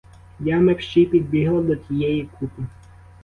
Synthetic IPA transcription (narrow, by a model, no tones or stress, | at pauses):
jamɛpʃt͡ʃijpʲid̪̚bʲiɦlˠɐd̪ɔt͡sʲijɛjikʰupɪ